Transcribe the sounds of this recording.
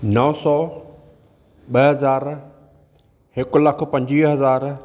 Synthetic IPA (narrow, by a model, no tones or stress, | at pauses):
nɔːsɔː | ɓɐɦɐzaːɾ | hɪkʊlɐk̆ʰpɐ̃ɲd͡ʑiɦɐzaːɾ